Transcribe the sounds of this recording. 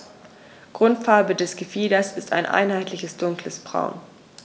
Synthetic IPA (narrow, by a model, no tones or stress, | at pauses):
ɡ̥ʁʊntfaɐbədɛsɡ̥əfiːdɐsɪsta̰ɪnʔa̰ɪnhaɪtʰlɪçəsd̥ʊŋkləsb̥ʁa̰ʊn